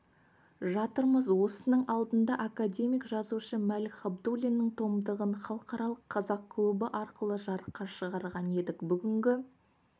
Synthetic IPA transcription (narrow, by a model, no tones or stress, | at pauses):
ʒɑt̪əɾməzwo̞sənəɴʔɑlˠd̪ənd̪ɑʔakadʲe̞mijkʒɑzuʃəmælχab̚d̪ulʲinːɪŋt̪ʰo̞md̪əʁənχɑlˠəqɑɾɑlˠəqʰːɑzɑq̚kʰlˠubəʔɑɾqəlˠəʒɑɾəqːɑʃəʁɑɾʁɑne̞d̪ɪkbʏɡʲɪŋɡʲɪ